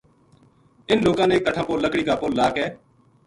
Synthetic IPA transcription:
ɪnloːkãːneːkːəʈʰãːpoːləkɽiːkaːpoːllaːkɦɛː

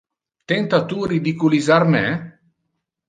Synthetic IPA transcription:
t̪ɛnt̪at̪urid̪ikulizarmɛ

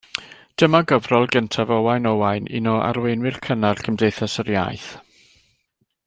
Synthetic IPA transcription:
d̥əmaɡəvrɔlˠɡəntʰavɔwajnɔwajnɪ̰nɔʔa̰rwenwɪrkʰənarkʰəmdejθasərja̰ːjθ

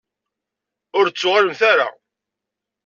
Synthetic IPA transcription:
ʊɾt͡sːʊʁaləmθaɾa̰

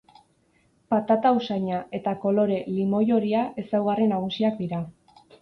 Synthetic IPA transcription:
pat̪at̪ausajɲae̞t̪ako̞lo̞ɾe̞limo̞jo̞ɾiaʔe̞sawɣarenaɣ̞usiak̚d̪iɾa

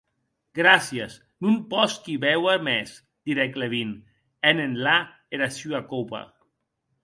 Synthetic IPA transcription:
ɡɾasjas | numpɔskiβɛwamɛs | d̪̥iɾɛkleβin | ɛnenla | eɾasyakopa̰

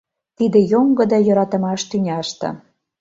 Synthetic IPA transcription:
t̪id̪ĕjoŋɡɤ̆d̪ɑjɤ̆ɾɑt̪ə̆mɑʃt̪ynʲɑʃt̪ɤ̰̆

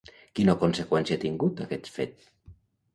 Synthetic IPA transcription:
kinokonsekwɛnsiat̪iŋɡut̪akɛt̪fet̪

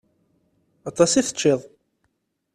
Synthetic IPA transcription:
ɑt̪ˤɑsiθə̥t͡ʃːeðˤ

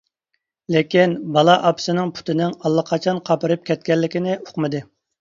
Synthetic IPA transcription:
lɪkʲinbɑlˠɑʔɑpʰsɪnɪŋpʰu̥t̪ʰɪnɪŋɑlˠːəqʰɑt͡ʃʰɑnqʰɑpɨɾɨp̚kʲʰɛt̪̚kʲɛlːɪkʲinɪo̥qmɨd̪ɨ

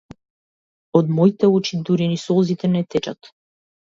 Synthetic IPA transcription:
od̪mɔit̪ɛut͡ʃid̪uɾinisɔlˠzit̪ɛnɛt̪ɛt͡ʃa̰t̪

